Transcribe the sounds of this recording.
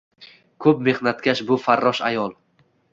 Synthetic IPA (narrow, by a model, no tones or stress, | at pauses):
kʰɵp̚me̞hnat̪kʲaʃbʊfaɾːɒʃajɒlˠ